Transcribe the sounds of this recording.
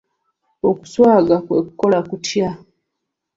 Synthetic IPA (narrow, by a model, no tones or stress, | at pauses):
oku̥swaːɡakweku̥ko̞lakutja